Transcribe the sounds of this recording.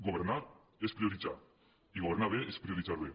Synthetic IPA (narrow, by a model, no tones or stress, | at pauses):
ɡoβeɾna | espɾioɾit͡ʃa̰ | iɣoβernaβeʔespɾioɾit͡saɾe